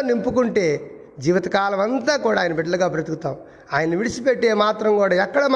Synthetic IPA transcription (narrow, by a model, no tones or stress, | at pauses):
nimpukuɳʈe̞ː | d͡ʒiːʋɐt̪ɐkaːlɐmɐnt̪aːkuːɽaːjɐnɐbiɖːɐlɐɡaːpɾɐt̪ikut̪aːm | aːjɐnɐniʋiɽit͡ʃipeʈːeːmaːt̪ɾɐŋkuːɽaːɛkːɐɽɐm